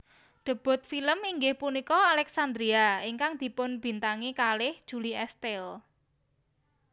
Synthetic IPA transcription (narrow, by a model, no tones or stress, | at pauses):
ɖ̪̥ə̤b̥ʊ̤t̪̚filəmiŋɡɪhpunikɔalɛksand̪ɾiaiŋkaŋd̪̥i̤pʊnb̥i̤nt̪aŋikalɪhd̥ʒ̥ṳliɛst̪ɛl